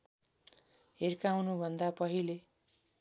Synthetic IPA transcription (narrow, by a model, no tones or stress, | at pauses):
ɦerkawnubʱʌnd̪apʌɦile